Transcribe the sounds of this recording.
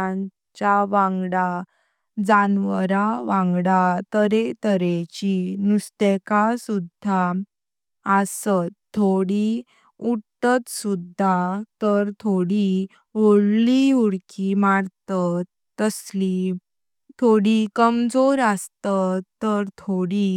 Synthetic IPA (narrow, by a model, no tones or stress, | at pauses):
ã | t͡ɕaʋãŋɡɽa | d͡zanʋəɾaʋãŋɡɽat̪əɾet̪əɾet͡ɕinust̪ekasud̪ʱa | əsət̪ʰːoɽi | uɽt̪ət̪sud̪ʱːat̪əɾt̪ʰoɽi | ʋoɽliuɽkimaɽt̪ət̪ː | əsli | t̪ʰoɽikəmd͡zoɾəst̪ət̪ːəɾt̪ʰoɽi